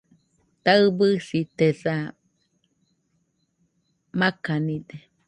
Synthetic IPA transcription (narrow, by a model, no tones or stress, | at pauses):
t̪aɨbɨsit̪esa | makanid̪e